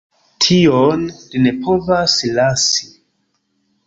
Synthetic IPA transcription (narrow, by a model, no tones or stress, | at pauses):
tʰionline̞pʰo̞vaslasi̥